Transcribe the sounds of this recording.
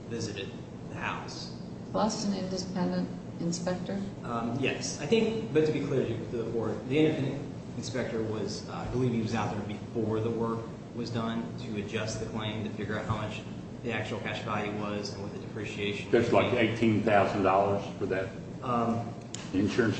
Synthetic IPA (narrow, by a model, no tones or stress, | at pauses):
vɪzɨɾɨd̪̚ | ðɨhaʊs | pʰlʌstɨ̃nɪ̃ndɨpʰɛ̃ndɨ̃nt | ɨ̃nspɛk̚tə˞jɛsaɪθɪ̃ŋk̚b̥ʌtʰɨbikʰl̥ɪɹɨtɨðəfʰɔɹ̚ðiɛ̃ndʌfɨ̃nɨk | n̩spɛk̚tə˞wʌz | a̰ɪbəliv̥iwʌzaʊt̪̚ðə˞bɨfɔɹðəwɜ˞k | wʌzdʌ̃ntʰɨɨd͡ʒʌst̪̚ðɨkʰl̥ẽɪ̃mtʰɨfɪɡjə˞aʊt̚haʊmʌt͡ʃ | ðiæk̚t͡ʃʉul̩ˠkʰæʃvælˠjʉwʌzɨ̃n̩wʌt̪̚ðɨdɨpʰɹ̥iʃieɪʃɨ̃n̩æslaɪkeɪtʰĩnθaʊzn̩dɔlˠə˞z̥fə˞ðæt̚ | ɨ̃nʃʊɹɨ̃ns